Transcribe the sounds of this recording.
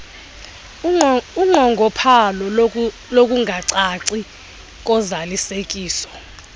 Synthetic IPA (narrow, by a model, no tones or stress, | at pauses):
uŋ͡ǃʱɔŋɡʱɔpʰalɔ | lok̬ʼuŋʱaǀaǀi | k̬ʼɔzalisek̬ʼiːsɔ̥